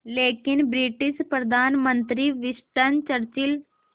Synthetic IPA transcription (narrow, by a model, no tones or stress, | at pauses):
leːkɪnbɾiʈɪʃpɾəd̪ʱaːnmənt̪ɾiʋɪʃʈənt͡ʃəɾt͡ʃɪl